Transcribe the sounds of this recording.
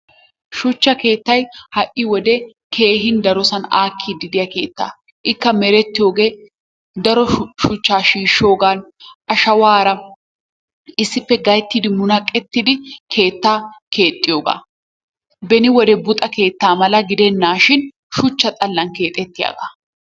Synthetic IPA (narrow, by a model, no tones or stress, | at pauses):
ʃʊt͡ʃːɐke̞ːt̪ːɐjhɐʔʔːɪwɔd̪ɛ | kʰe̞ːɦɪnd̪ɐɾɔsɐnaːkʰːid̪ɪd̪ɪjɐke̞ːt̪ːa̰ː | ʔɪkːɐmɛɾɛt̪ːɪjo̞ːɡe̞ː | d̪ɐɾɔʃʊt͡ʃːaːʃiːʃːo̞ːɡaːnʔɐʃɐwaːɾɐ | ɪsːɪpːɛɡɐjt̪ːid̪ɪmʊnɐkʼːɛt̪ːɪd̪ɪkʰe̞ːt̪ːaːkʰe̞ːt̪ʼːɪjo̞ːɡa̰ː | bɛnɪwɔd̪ɛbʊt̪ʼɐke̞ːt̪ːaːmɐlɐɡɪd̪ɛnːaːʃɪn | ʃʊt͡ʃːɐt̪ʼɐlːɐnke̞ːt̪ʼɛt̪ːɪja̰ːɡa̰ː